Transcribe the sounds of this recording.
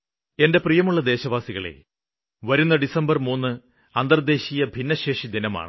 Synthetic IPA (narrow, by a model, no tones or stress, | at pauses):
e̞nde̞prijɐmuɭːɐd̪e̞ːɕɐʋaːsiɣɐɭḛ | ʋɐɾunːɐɖisɐmbɐrmuːnːɨ | ɐnd̪ɐrd̪e̞ːɕijɐbʱinːɐɕe̞ːʂid̪inɐma̰ːɳɨ